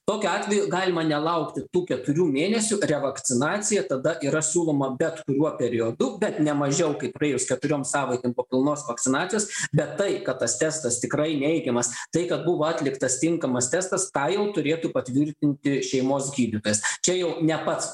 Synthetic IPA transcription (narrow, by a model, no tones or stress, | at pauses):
t̪oːkʲʊɑːt̪ʲʋʲɛjuɡɑːlʲɪmɐnʲɛlˠɐʊkt̪ʲɪt̪uːkʲɛt̪ʊɾʲuːmʲeːnʲɛsʲʊɾʲɛʋɐktt͡ssʲɪnɑːt͡s̪ʲɪjɛt̪ɐd̪ɐʔiːɾɐsʲuːlˠoːmɐbʲɛt̪kʊɾʲuɔpʲɛɾʲɪod̪ʊbʲɛt̪nʲɛmɐʒʲɛʊkɐɪpɾɐeːjʊskʲɛt̪ʊɾʲoːmsɑːʋɐɪkʲempoːpʲɪlˠnoːsʋɐkt̪ʲɪnɑːtt͡sʲɪjoːsbʲɛt̪ːɐɪkɐt̪t̪ɐst̪ʲɛst̪ɐst̪ʲɪkrɐɪnʲɛɪɡʲɛmɐst̪ɐɪkɐt̪̚bʊʋɐɑːt̪ʲlʲɪkt̪ɐst̪ʲɪŋkɐmɐst̪ʲɛst̪ɐskɑːjɛʊt̪ʊɾʲeːt̪upɐt̪ʲʋʲɪrʲt̪ʲɪnʲt̪ʲɪʃʲɛɪmoːsɡʲiːd̪ʲɪt̪oːjɛst͡ʃʲɛjɛʊnʲɛpɐt̪s